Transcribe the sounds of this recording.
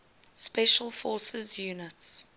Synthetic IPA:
spɛʃəlˠfɔːsəzjuːnɪts

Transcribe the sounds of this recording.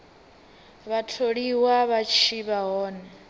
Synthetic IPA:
βatʰoɺiwaβat͡ʃʰiβaɦɔːnɛ

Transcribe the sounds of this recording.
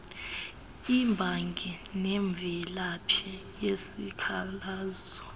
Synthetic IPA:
imbʱaŋɡʱinɛɱb̪vʱɛlapʰɛ | jesikʰalaːzɔ

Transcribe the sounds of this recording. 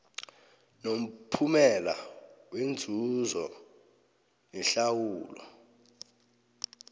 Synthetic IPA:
nom̩pʰumɛla̰wend͡zʱuzɔ | nɛɬawuːlɔ̰

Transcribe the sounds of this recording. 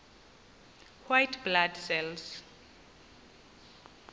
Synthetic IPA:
hwajtbladsɛls

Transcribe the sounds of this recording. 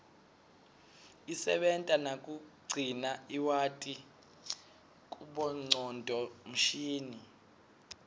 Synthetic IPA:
isɛ̰ɓɛntʼanakʼuɡ͡ǀʱinaiwatʼi | kʼuɓɔŋ͡ǀɔndʼʱɔm̩ʃiːni

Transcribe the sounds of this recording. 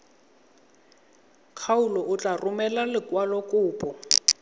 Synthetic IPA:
kʰaʊlɔʊt͡ɬʼarʊmɛlalɪkwalɔkʼʊːpʼɔ

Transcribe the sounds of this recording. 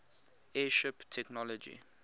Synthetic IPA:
ɛːʃɪptʰɛknɔlɔd͡ʒḭ

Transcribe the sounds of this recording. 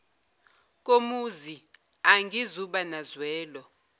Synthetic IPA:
k̬ʼomuzi | aŋɡʱizuɓanazwɛːlɔ

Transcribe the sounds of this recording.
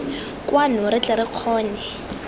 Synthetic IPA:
kʼwanʊɾɪt͡ɬɛɾɪq͡χʰɔːnɛ

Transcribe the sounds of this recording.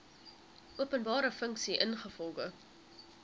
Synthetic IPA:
ʔuəpənbɑːɾəfəŋksiʔənχəfɔlˠɡə

